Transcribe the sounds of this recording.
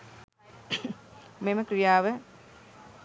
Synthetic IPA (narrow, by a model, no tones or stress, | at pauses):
meməkɾijaːʋə